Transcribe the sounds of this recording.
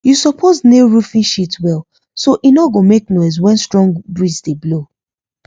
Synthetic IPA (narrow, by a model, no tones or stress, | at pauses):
jusɔpʰozneɹufĩnʃitwɛl | soʔinɔɡomeknɔɪzwɛ̃nstɹɔ̃ŋɡbɹisdeblo